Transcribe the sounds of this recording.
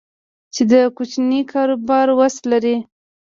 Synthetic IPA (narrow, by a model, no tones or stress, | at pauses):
t͡ʃed̪əkut͡ʃnikʰɑɾobɑɾwaslaɾi